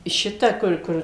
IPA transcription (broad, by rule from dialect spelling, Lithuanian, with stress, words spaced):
ˈʃʲɪtɐ ˈkʊr ˈkʊr